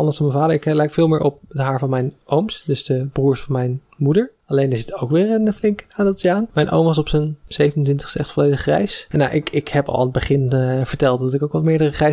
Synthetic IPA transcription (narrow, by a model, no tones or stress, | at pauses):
ɑndəsdɑnmɛnvaːdəɹɪklɛjkfɪːlˠmɪːɹʔɔp̚ədəɦaːɹvɑnmɛjnʔowmsdɵsd̥əbruːɹsfɑnmɛjn | mudəɹ | ɑlejndəɹzɪtʰowkʋɪːɹənəflɪŋkaːdɪlˠtjaːnmɛjnʔo̰wmʋɑs̬ɔpsənz̥ejvənəntʋɪntə̥χstəɛχtfɔlejdəχrɛ̰jsnja̰ʔɪkɪkhɛpɑ̰lˠɪnədbəχɪnvəɹtɛlˠt̚dɑtɪkowkʋɑmɪːɹdərəχrɛjs